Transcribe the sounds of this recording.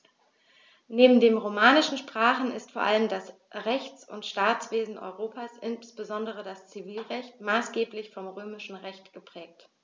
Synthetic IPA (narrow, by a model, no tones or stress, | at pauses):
neːbm̩deːmʁomaːnɪʃn̩ʃpʁ̥aːχn̩ɪ̰stfoːɐʔaləmdas | ʁɛçt͡sʊ̰ntʃtaːt͡sv̥eːzn̩ʔɔ̰ʏʁoːpʰaːsʔɪnsb̥əzɔndəʁədast͡siviːlʁɛçtmaːsɡ̥eːplɪçfɔmʁøːmɪʃn̩ʁɛçtɡ̥əpʁ̥ɛːk̚t